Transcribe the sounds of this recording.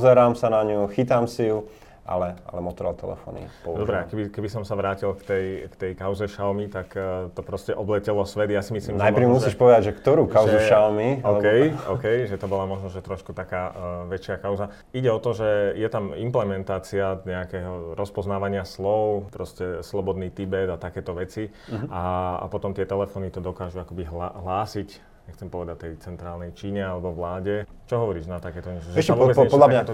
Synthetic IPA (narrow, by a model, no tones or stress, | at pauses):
pɔzɛɾaːmsanaɲuxit̪aːmsiju | ʔa̰lɛa̰lɛmɔt̪ɔɾa̰lt̪ɛ̰lɛ̰fɔ̰ːnḭpɔud̪ɔbɾɛakɛbikɛbisɔmsaʋɾaːcilkt̪ɛjkt̪ɛjkaʊzɛʃalmit̪akt̪ɔpɾɔscɛʔɔblɛcɛlɔsʋɛd̪jasimisliːmʒɛajpɾimuiːʃpɔʋɛd̪aɟʒɛkt̪ɔɾuːkaʊʒzuɛʃalmiɔkɛjɔkɛjʒɛt̪ɔbɔlamɔʒnɔʒɛt̪ɾɔʃkut̪akaːʋɛt͡ʃɪakaʊza | iɟɛɔt̪ɔʒɛjɛt̪amimplɛmɛnt̪aːt͡siaɲɛakɛːɦɔɾʔɔspɔznaːʋaɲɪaslɔʊpɾɔscɛslɔbɔd̪niːt̪ibɛd̪at̪akɛːt̪ɔʋɛt͡si | aa̰pɔt̪ɔmt̪ɪɛt̪ɛlɛfɔːnit̪ɔd̪ɔkaːʒuakɔbiɦlaɦlaːsic | ɲɛxt͡sɛmpɔʋɛd̪ac̚t̪ɛjt͡sɛnt̪ɾaːlnɛjt͡ʃiːɲɛalɛbɔʋlaːɟɛt͡ʃɔɦɔʋɔɾiːʒnat̪akɛːt̪ɔɲɛʒɛɛsavɔbɛɛɔlaɲat̪ɔ